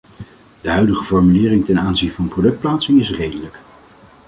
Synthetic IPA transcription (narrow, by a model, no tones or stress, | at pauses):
d̥əɦœɥdəχəvɔɹmylɪːrɪŋtɛnaːnzinvɑnəprodɵkt̚plaːtsɪŋɪsrejdələk